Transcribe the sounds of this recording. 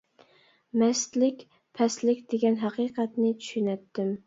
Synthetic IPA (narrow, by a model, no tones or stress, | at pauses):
mɛst̪lɪkʲ | pʰɛslɪkʲd̪̥eɡʲɛnɦɑqiːqɑt̪nɪt͡ʃ̪ʰy̥ʃynɛt̪ːɪm